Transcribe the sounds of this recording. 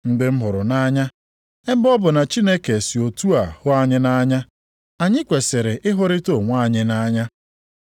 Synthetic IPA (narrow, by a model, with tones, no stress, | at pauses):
n̩˦dɪ˦m̩˦ɦʊ˨ɾʊ˨na˦ɲa˦ | e˦m˦bɔ˦bʊ˨na˨t͡ʃi˦ne˦ke˨si˨o˨tu˦a˨hʊ˦a˦ɲɪ˦na˦ɲa˦ | a˨ɲɪ˦kʷe˨sɪ˨ɾɪ˨ʔɪ˦ɦʊ˦ɾɪ˦to˦˨ŋʷa˦˨ɲɪ˦na˦ɲa˦